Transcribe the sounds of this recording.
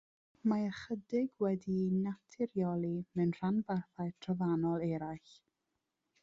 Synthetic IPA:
maəχədɪɡwɛdinatʰɪɾjɔlˠimɛnr̥anbarθaɨtʰrɔvanɔlˠɛɾajɬ

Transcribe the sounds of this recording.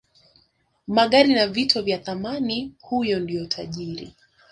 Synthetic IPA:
maɠaɾinavitɔvjaθamanihujɔndijɔtʰaʄiɾḭ

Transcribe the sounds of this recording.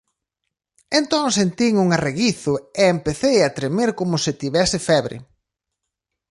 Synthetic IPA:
ent̪oŋsent̪iŋuŋareɣiθʊeempeθejat̪ɾemeɾkomʊsɪt̪iβɛsɪfɛβɾɪ̰

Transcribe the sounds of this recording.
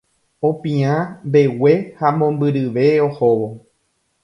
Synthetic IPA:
õpĩãmbe̞we̞hamõ̞mbɨɾɨʋe̞ohoʋo

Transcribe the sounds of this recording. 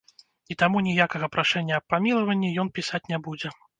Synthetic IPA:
it̪amunʲijakɐɣɐpɾaʂɛnʲːɐːpːamʲilˠɐvɐnʲːijɔnpʲisat͡sʲnʲabud͡zʲɛ

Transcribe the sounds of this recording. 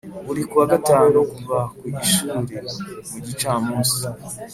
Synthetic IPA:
βuɾikuwaɡataːnokuvakuiʃuːɾemuɟit͡ʃaːmuːsi

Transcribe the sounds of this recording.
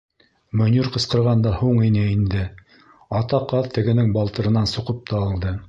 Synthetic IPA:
mŏnʲuɾqɤ̆sqɤ̆ɾʁɑnd̪ɑhuɴinɘind̪ɘ | ɑt̪ɑqɑðt̪ɘ̆ɡɘ̆nɘŋbɑlˠt̪ɤ̆ɾɤ̆nɑnsŏqɤp̚t̪ɑːlˠd̪ɤ

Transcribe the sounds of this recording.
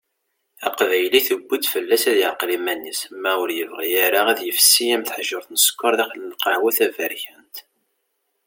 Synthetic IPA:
æqvæjliθəɡʷːid̪fəlːæsæðjəqlimænːismːæʊɾjəvʁijæɾaæðjəfsːijæmθħəʒəɾθnəskʷːɑɾˤðæχlənqɑʕwæθævæɾçænt̪

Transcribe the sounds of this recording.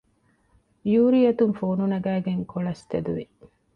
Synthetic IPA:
juːɾiɐt̪uŋfoːnunɐɡæːɡeŋkʰoɭɐst̪ed̪uʋi

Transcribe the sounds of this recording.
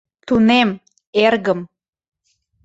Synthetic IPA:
t̪unem | erɣəm

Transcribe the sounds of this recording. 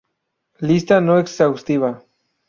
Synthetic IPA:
list̪anoeksawst̪iβa

